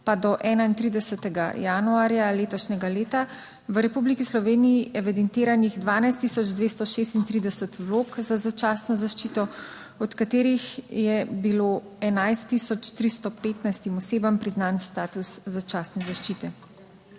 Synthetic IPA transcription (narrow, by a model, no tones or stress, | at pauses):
pad̪ɔʔɛːnaint̪ɾid̪ɛsət̪ɛɡa̰januaːɾjaleːt̪ɔʃnɛɡaleːt̪a | ʋəɾɛpublikislɔʋeːnijiʔɛʋɛd̪ɛnt̪eːɾaniɣd̪ʋaːnajst̪ːisɔd͡ʒd̪ʋest̪ɔʃeːst̪int̪ɾid̪ɛsət̪ʋloːkzazat͡ʃaːsnɔzaʃt͡ʃit̪ɔ | ɔt̪kat̪eːɾixjɛbilo | ɛnajst̪ːisɔt͡ʃt̪ɾist̪ɔpeːt̪najst̪imɔseːbampɾiznaːnst̪aːt̪usːat͡ʃaːsnɛzaʃt͡ʃit̪ɛ